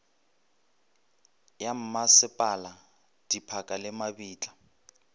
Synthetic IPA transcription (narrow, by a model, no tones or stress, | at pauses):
jam̩masɪpʼala | d̥ipʰakʼalɪmabiːt͡ɬʼḁ